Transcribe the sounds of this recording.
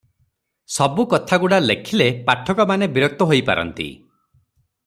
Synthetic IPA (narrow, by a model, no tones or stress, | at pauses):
sɔbukɔt̪ʰaɡuɽalekʰilepaʈʰɔkɔmanebiɾɔk̚t̪ɔɦojpa̰ɾɔ̰nt̪ḭ